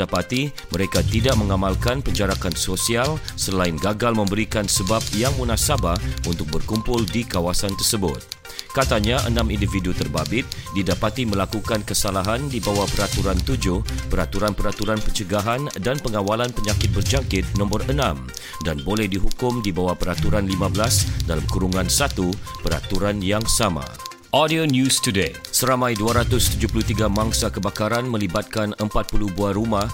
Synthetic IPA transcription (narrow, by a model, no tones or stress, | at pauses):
apat̪i | məɾekat̪idaʔ̚məŋamalkanpəɲd͡ʒaɾakansosialsəlaɪnɡaɡalmə̃mbəɾikansəbap̚jaŋmunasabaunt̪ʊk̚bərkumpʊldikawasant̪ərsəbʊt̪̚ | kat̪aɲaʔə̰nãmindividut̪ərbabɪt̪̚didapat̪iməlakukankəsalaɦandibawahpəɾat̪uɾant̪ud͡ʒʊhpəɾat̪uɾanpəɾat̪uɾanpəɲt͡ʃəɡaɦandanpəŋawalanpəɲakɪt̪̚bərd͡ʒakɪt̪̚nɔ̃mbɔrənãm | danbolɛhdiɦukʊmdibawapəɾat̪uɾanlimãbəlasdalamkuɾuŋãnsat̪upəɾa̰t̪uɾanjaŋsama̰ | ʔɔdionjustudesəɾamãjduaɾat̪ʊst̪ud͡ʒupulut̪iɡamãŋsakəbakaɾanmə̃libat̪̚kanəmpat̪̚puluhbuaɾumah